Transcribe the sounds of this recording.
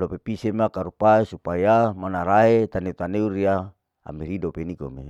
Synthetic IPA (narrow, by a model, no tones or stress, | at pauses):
lopepisemakaɾupaesupajamanaɾaet̪aneut̪aneuɾia | a̰meɾidopenikomḛ